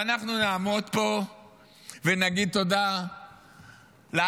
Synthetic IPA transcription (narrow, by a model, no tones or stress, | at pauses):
anaχnunaːmod̪po̞ | venaɡid̪̚t̪o̞d̪a | le